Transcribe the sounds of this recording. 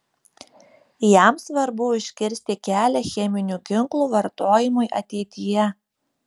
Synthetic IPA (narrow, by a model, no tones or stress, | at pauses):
jæˑmsʋɐɾbʊɪʃʲkʲɪɾʲsʲt̪ʲɪkʲæːlʲɛxʲɛmʲɪnʲuːkʲɪŋklˠuːʋɐɾt̪oːjɪmʊɪʔɐ̰t̪ʲɛɪt̪ʲɪjɛ